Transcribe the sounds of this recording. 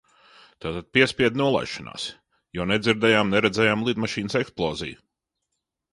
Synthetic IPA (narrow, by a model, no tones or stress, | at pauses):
t̪aːt̪ad̪̥̚pʲiɛspʲiɛd̪nuɔlˠa̰jʃana̰ːs | jɔnɛd̪ziɾd̪ɛjaːmnɛɾɛd̪zɛjaːmlˠid̪maʃiːnəsɛksplˠɔːzḭj